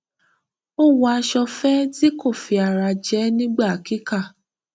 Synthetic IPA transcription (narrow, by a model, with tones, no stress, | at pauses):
o˦wa˧ʃɔ˧fɛ˦ti˦ko˦˨fi˨a˨ɾa˧d͡ʒɛ˦nĩ˦ɡ͡ba˦˨a˨ki˦ka˦˨